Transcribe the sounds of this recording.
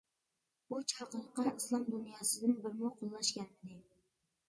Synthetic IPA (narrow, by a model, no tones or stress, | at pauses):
but͡ʃʰɑqɨlˠqɑnislˠɑmd̪ʊnjɑsɪd̪ɪnbɪɾmʊqʰolˠːaʃkʲanɪd̪ɪ